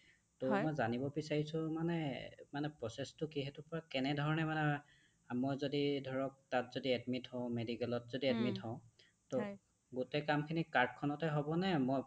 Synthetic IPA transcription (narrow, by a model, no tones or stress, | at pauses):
tɔmɔjzanibɔbisaɹisʊ̃manɛmanɛpɹɔsɛstʊkiɦɛtʊpɔɹakɛnɛdʱɔɹɔnɛmanɛ | mɔjzodidʱɔɹɔk̚tatzodiɛdmithɔ̃ʊ̃medikɛlɔtzodiɛdmitɔ̃ʊ̃ | tɔ | ɡutɛkamkʰinikaɹdkʰɔnɔtɛɦɔbɔnɛmɔj